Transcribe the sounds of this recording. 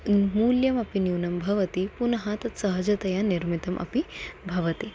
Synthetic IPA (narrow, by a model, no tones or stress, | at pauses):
muːljɐmɐpinjuːnɐmbʱɐʋɐt̪ipunɐɦaːt̪ɐt̪sɐɦɐd͡ʒɐt̪ɐjaniɾmit̪ɐmʔɐ̰pibʱɐʋɐt̪i